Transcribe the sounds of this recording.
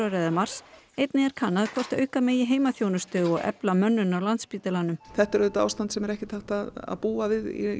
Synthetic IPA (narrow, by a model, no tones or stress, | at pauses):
aɾɛðamar̥sejt̪nɪɛɾ̥kʰanːaðkʰvɔr̥t̪œ̰ːɥkameːjɪɦeːjmaθjownʏst̪ʏɔɣɛ̰plamœnːʏnawlant̪spiːt̪ɪlanʏmθɛht̪ɛɾʏt̪a̰ːwst̪ant̪sɛmɛɾɛhcɪt̪ʰaht̪aða̰puːavɪðḭ